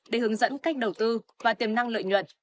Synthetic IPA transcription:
ɗe˧˩hɨ˨˦əŋzə̰˧˥nka˦˥jk̟̚ɗə˨˩wt̪ɨ˧vaː˨˩t̪i˨˩əmna˧ŋlə̰˧˨jɲwə̰˧˨n

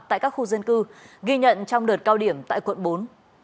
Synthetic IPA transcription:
t̪a̰ː˧˨jkaː˦˥k̚xu˧zə˧nkɨ˧ɣi˧ɲə̰˧˨nt͡ɕɔ˧wŋ͡mɗɨː˨˩t̚kaː˧wɗi˧˩əmt̪a̰ː˧˨jkwə̰˧˨nɓo˨˦n

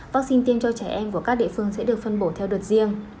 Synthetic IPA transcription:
vaː˦˥k̚si˧nt̪i˧əmt͡ɕɔ˧t͡ɕɛː˧˩ʔɛ˧mku˧˩əkaː˦˥k̚ɗḭ˧˨fɨ˧əŋsɛ̰˧˥ɗɨ˨˩ək̚fə˧nɓo˧˩t̪ʰɛ˧wɗə˨˩t̚zi˧əŋ

